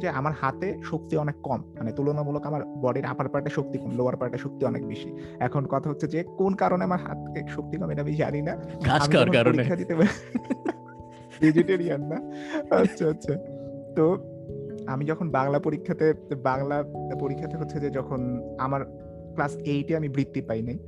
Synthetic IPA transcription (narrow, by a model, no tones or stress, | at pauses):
d͡ʑeamaɾhat̪eʃok̚t̪iɔnekːɔmmanet̪ulonamulokamaɾbɔɖeɾa̰paɾpaɾʈaʃok̚t̪ikunloaɾpaɾʈaʃok̚t̪iɔnḛkbeʃi | ɛkʰonkɔt̪ʰaɦotːɕʰed͡ʑekonkaɾoneamaɾɦa̰t̪keʃok̚t̪ikɔmeɾamid͡ʑa̰ninakaamikaaɾkkaɾoɾinekʰːad̪it̪e | vid͡ʑeʈeɾianːaatːɕʰaatːɕʰat̪o | a̰mid͡ʑɔkʰonbaŋlapoɾikʰːat̪ebaŋlapoɾikʰːat̪ʰeɦʰot̪ːɕʰid͡ʑed͡ʑɔkʰonamaɾ | klasejʈiamibɾit̪ːipajnaj